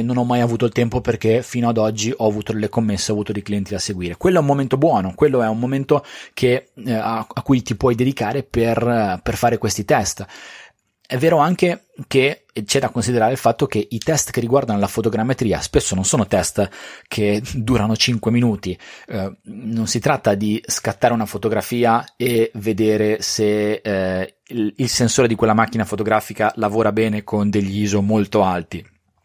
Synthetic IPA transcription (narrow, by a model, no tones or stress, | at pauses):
nonɔmːajavuːt̪oilt̪ɛmpoperkefiːnoad̪ɔd͡ʒːiʔɔavuːt̪od̪elːekomːesːeavuːt̪od̪ejkliɛnt̪id̪aseɡwiːɾekwelːoɛumːoment̪obwɔːnokwelːoɛummoment̪okʰeaakːujt̪ipwɔjd̪ed̪ikaːɾeperperfaːɾekwest̪it̪ɛst̪ | ɛvːeːɾoaŋke | ke | t͡ʃɛd̪akonsid̪eɾaːɾeilfat̪ːok̟eʔit̪ɛst̪kerːiɡward̪anolafot̪oɡɾamːet̪ɾiːa̰spesːononsoːnot̪ɛst̪kʰed̪uːɾanot͡ʃiŋkweminuːt̪i | nonsit̪ɾat̪ːad̪iskat̪ːaːɾeunafot̪oɡɾafiːaeved̪eːɾese | ilsensoːɾed̪ikwelːamak̟ːinafot̪oɡɾaːfikalavoːɾabɛːnekʰond̪eʎːiːzomolt̪oalt̪i